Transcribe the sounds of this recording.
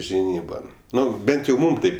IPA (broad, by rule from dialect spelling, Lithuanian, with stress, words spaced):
ʒʲɪˈnʲiːbɐn ˈnʊ ˈbʲɛnt jɛʊ ˈmuːm ˈtɐɪp